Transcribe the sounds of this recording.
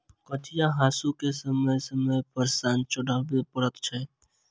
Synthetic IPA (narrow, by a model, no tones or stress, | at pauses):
kəʈijãɦaːsukesəməjsəməjpəɾsaːnt͡ʃəɽəbepəɾət̪t͡ʃʰɛ